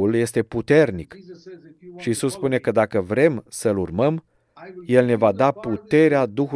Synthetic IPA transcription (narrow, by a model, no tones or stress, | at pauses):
ulje̞st̪e̞put̪e̞rnik | ʃiːsuspune̞kəd̪akəvɾe̞msəlurməm | je̞lne̞vad̪aput̪e̞ɾead̪uxu